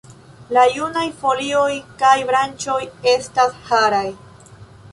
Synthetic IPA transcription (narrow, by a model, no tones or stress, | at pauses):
lajunajfo̞lio̞jkajbɾant͡ʃo̞je̞stashaɾaj